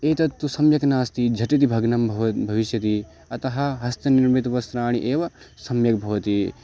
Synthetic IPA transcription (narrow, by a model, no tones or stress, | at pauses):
eːt̪ɐt̪ːusɐmjɐknaːst̪id͡ʒʱɐʈit̪̬ibʱɐɡnɐmbʱɐʋbʱɐʋiʃjɐt̪i | ɐt̪ɐɦɐɦɐst̪ɐniɾmit̪ʋɐsɾaːɳ̃iʔeːʋɐ | sɐmjɐkbʱɐʋɐt̪i